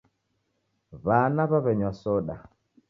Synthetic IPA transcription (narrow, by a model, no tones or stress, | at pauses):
βanaβaβɛɲwasɔɗa